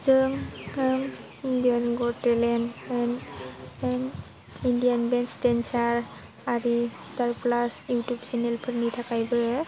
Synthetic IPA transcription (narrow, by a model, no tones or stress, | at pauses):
zɯŋɯŋ | indijanɡɔtelenen | en | indijanbenstensaɾ | aɾistaɾplasjutjub̚t͡ʃenelpʰɯɾnitʰakajbɯ